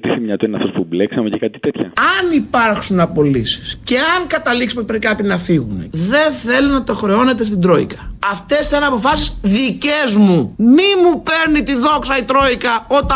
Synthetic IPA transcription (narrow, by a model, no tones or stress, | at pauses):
t̪iθimɲɐt̪uinɐft̪ospubleksɐmecekɐt̪i̥t̪et̪çɐɐnipɐɾxsunɐpo̞lisi̥sce̞ɐŋkɐt̪ɐliksi̥popɾeikɐpinɐfiɣume̞̰ðe̞nθe̞lonɐt̪o̞xɾe̞o̞ne̞t̪e̞st̪ind̪ɾo̞ḭkɐɐft̪e̞sθenɐpo̞fɐsisðicezmumimupeɾnit̪iðo̞ksɐit̪ɾo̞ikɐot̪ɐ